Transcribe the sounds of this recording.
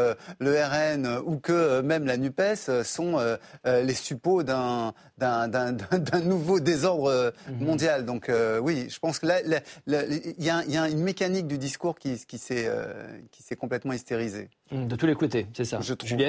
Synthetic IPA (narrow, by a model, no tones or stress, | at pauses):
øløɛʁɛnøukəømɛmlanypɛsøsɔ̃øːlesypod̪ɛ̃ | d̪ɛ̃d̪ɛ̃d̪ɛ̃d̪ɛ̃nuvod̪ezɔʁd̪ʁəmɔ̃d̪jald̪ɔ̃køwiʒ̥əpɑ̃skəlalaliljaɛ̃iljaynmekanik̚d̪yd̪iskuʁkʲikʲisɛø̰kʲi̥sɛkɔ̃plɛt̪mɑ̃ist̪eʁizḛ | d̪ət̪ulekot̪esɛsaʒət̪